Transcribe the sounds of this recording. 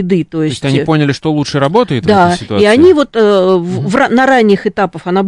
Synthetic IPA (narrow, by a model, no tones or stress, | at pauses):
ɪd̪ɨt̪o̞jɪsʲtʲtʲɐnʲipo̞nʲɪlʲɪʂt̪olˠutʂɨɾɐbo̞t̪əjɪt̪vd̪asʲɪt̪ʊaiɐnʲivo̞t̪əvvranɐɾanʲːɪxɨt̪apəfɐnab